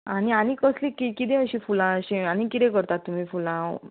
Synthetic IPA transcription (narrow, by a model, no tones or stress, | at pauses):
aɽ̃iaɽ̃ikəslikikit̪ɛ̃əɕĩfulãəɕiañikit̪ɛ̃kəɾt̪at̪ːum̤iːfulã